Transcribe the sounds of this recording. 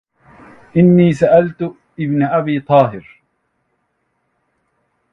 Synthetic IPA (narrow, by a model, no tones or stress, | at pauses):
ʔɪnːiːsaʔalt̪ʊ | ʔɪbnaʔabiːt̪ˤɑːɦɪɾ